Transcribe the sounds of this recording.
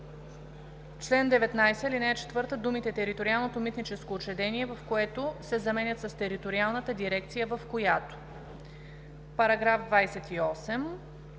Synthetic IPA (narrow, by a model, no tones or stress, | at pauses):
t͡ʃlɛnd̪ɛvɛt̪najsɛlinɛːt͡ʃɛ̥t̪vɤɾt̪əd̪umit̪ɛt̪ɛɾit̪oɾialˠnot̪omit̪nit͡ʃɛskoːt͡ʃɛd̪ɛniɛvɐfkoɛt̪osɛzɐmɛnʲət̪sɐst̪ɛɾit̪oɾialˠnət̪əd̪iɾɛkt̪sijəvəfkojat̪o̥ | pɐɾɐɡɾafd̪vajsɛt̪iɔsɛm